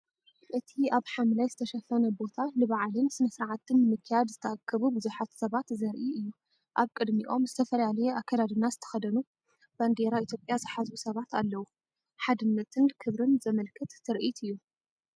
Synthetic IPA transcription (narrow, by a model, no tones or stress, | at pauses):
ʔɨt̪ʰiaβħamlajzɨt̪ʰɐʃɐfɐnɐbo̞t̪ʰalɨβaʕlɨnsɨmɐsɾaʕat̪ʰɨnːɨmɨkʰːɨjad̪zɨt̪ʰɐakʰːɐβubɨzuħat̪sɐβat̪zɐɾʔiɨjːu | ʔaβkʼɨd̪miʔo̞mzɨt̪ʰɐfɐlalɐjɛʔakʰːɐd̪ad̪ɨnːazɨt̪ʰɐ̥xɐd̪ɐnu | b̥and̪eɾait̪ʰjopʼjazɨħazbusɐβat̪ʰalːɐwu | ħad̪ɨnːɐt̪ʰɨnkʰɨβɾɨnzɐmɐlkʰɨt̪ːʰɨɾʔit̪ɨjːu